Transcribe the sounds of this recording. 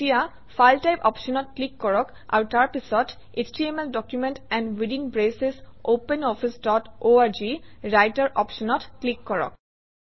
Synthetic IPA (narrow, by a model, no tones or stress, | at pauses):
ija | fajlʈajpɔ̰pʃɔnɔʈ̚klikːɔɹɔk | a̰wʈaɹpisɔt | esʈiemelɖɔkjumẽɳʈɛ̃ɳɖwiɖinbɹesesopẽnɔfʰisɖɔʈoaɾd͡ʒiɹajʈaɾʔɔpʃɔnɔtklikːɔɹɔ̰k̚